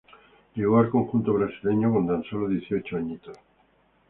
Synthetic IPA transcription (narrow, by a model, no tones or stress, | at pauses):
leɣoaɾkoŋxunt̪oβ̞ɾasileɲokont̪ansoloðjeθiot͡ʃoaɲit̪o